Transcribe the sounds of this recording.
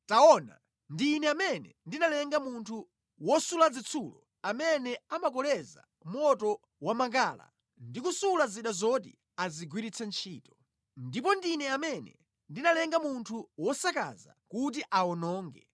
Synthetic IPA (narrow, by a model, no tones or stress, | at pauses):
taɔna̰ | ndinɛamɛnɛndinalɛŋɡamuntʰu | wɔsulad͡zit͡sʰulɔ̰ | amɛnɛamakɔlɛza̰ | mɔtɔ | wamaŋkaːla̰ | ndikusulaziɗazɔtḭ | aziɡwiɾit͡sʰɛnt͡ʃʰiːtɔ̥ | ndip̬ɔndinɛamɛnɛ | ndinalɛŋɡamuntʰuwɔsaka̰za̰kut̬iʔaɔnɔːŋɡɛ